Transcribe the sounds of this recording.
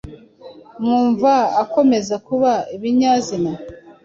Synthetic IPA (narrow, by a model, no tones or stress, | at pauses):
mŋuːɱvaːko̞me̞zakuβaiβiɲaːzina